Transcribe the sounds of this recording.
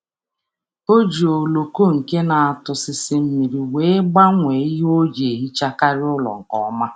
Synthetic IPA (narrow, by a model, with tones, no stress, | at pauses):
o˦d͡ʒi˨o˨lo˨ko˦ŋ̩˨ke˦na˨a˨tʊ˨sɪ˨sɪ˦m̩˦mi˨ɾi˨we˦ɡ͡ba˦ŋʷe˨˦i˦ɦo˦d͡ʒe˨ɦi˦t͡ʃa˦ka˦ɾɪ˦ʊ˦lɔ̰˨ŋ̩˨kɔ̰˦ma˦